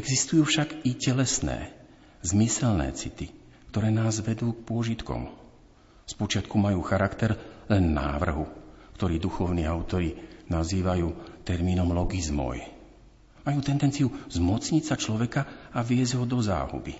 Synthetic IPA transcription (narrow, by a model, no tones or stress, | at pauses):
ɛɡzist̪ujuːfʃaɡicɛlɛsnɛ̰ː | zmisɛlnɛ̰ːt͡sit̪i | kt̪ɔɾɛːnaːzʋɛd̪uːk̚pʊɔʒit̪kɔ̰m | spɔt͡ʃɪat̪kumajuːxaɾakt̪ɛɾlɛnːa̰ːʋr̩ɦukt̪ɔɾiːd̪uxɔʊniːaʊt̪ɔɾinaziːʋajuːt̪ɛɾmiːnɔmlɔɡizmɔ̰j | majuːt̪ɛnd̪ɛnt͡siuzmɔt͡sɲitsat͡ʃlɔʋɛkaaʋɪɛzɟɦɔd̪ɔza̰ːɦṵbḭ